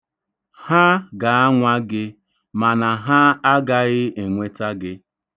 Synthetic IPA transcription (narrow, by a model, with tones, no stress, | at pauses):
ha˦ɡa˨a˦ŋʷa˦ɡɪ˦ | ma˨na˨ɦa˦a˦ɡa˦ɣɪ˦e˨ŋʷe˦ta˦ɡɪ˦